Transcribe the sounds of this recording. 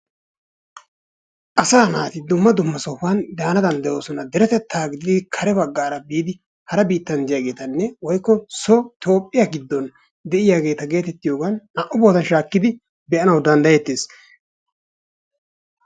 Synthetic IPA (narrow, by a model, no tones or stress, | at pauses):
ʔɐsaːnaːt̪ɪd̪ʊmːɐd̪ʊmːɐsɔfɐnd̪aːnɐd̪ɐnd̪ɛjo̞ːsɔnɐd̪ɛɾɛt̪ɛt̪ːaːɡɪd̪ɪɪd̪kʰɐɾɛbɐɡːaːɾɐbiːd̪ɪ | hɐɾɐbiːt̪ːɐnd͡ʒ̪ɪjaːɡe̞ːt̪ɐnːɛwɔjkːɔsot̪o̞ːpʼːɪjaɡɪd̪ːɔn | d̪ɛʔɪjaːɡe̞ːt̪ɐɡe̞ːt̪ɛt̪ːɪjo̞ːɡannɐʔʊbo̞ːt̪ɐnʃaːkːɪd̪ɪ | bɛʔɐnɐwd̪ɐnd̪ɐjɛt̪ːeːs